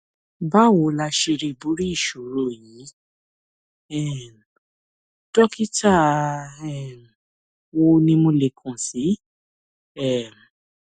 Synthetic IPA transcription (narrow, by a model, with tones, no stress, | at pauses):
ba˦˨wo˨˧˦la˧ʃe˧ɾe˧bu˨˦ɾi˦i˦˨ʃu˨ɾo˦˨ji˨˦ | ɛ˦˨˦ | dɔ˦ki˦ta˦˨ɛ˦˨m˨ | wo˧nĩ˧mõ˧le˨kʰũ˨si˨˦ | ɛ˦˨m˨